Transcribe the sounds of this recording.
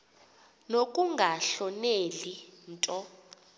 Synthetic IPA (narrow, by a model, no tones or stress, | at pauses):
nok̬ʼuŋɡʱaɬɔnelintʼɔ